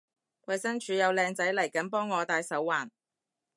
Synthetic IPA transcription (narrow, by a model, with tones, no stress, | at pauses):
wɐ˧jsɐ˥ŋt͡ʃʰyː˨˥jɐ˨˧wlɛː˧ŋt͡sɐ˨˥jlɐ˨˩jkɐ˨˥npɔː˥ŋːɔː˨˧t̪aː˧jsɐ˨˥wːaː˨˩n